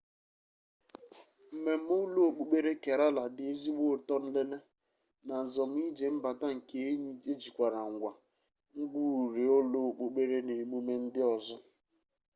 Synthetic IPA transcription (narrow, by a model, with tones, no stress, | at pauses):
m̩˨me˨m̩˦ʊ˦lo˦o˨k͡po˨k͡pe˦ɾe˦ke˨ɾa˦la˨dɪ˨e˦zi˦ɡ͡bo˦˨tɔ˦n̩˦le˦le˦ | na˨zɔ˨m̩˦i˦d͡ʒe˨m̩˦ba˨ta˦ŋ̩˨ke˨˦e˦ɲi˦e˦d͡ʒi˨kʷa˨ɾa˨ŋ̩˨ɡʷa˨ | ŋ̩˦ɡ͡bu˦u˨ɾe˨o˦lo˦o˨k͡po˨k͡pe˦ɾe˦ne˨mu˦me˦n̩˦dɪ˦ɔ˨zɔ˦